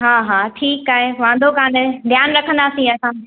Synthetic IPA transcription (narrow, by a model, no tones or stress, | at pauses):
ɦaːɦaːʈʰiːkaːɦeʋãːnd̪ʱokãːned̪ʱjaːnɾɐkʰə̃nd̪aːsĩɐsãː